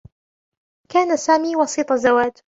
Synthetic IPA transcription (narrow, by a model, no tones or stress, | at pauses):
kaːnasaːmiːwɑsiːt̪ˤɑzawaːd͡ʒ